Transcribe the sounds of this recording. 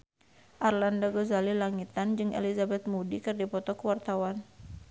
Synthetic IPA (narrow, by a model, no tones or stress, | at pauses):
ʔarlandaɡɔzalilaŋit̪and͡ʒɨŋḛlizabɛt̪̚mudikɨrdipɔt̪ɔkəwart̪awan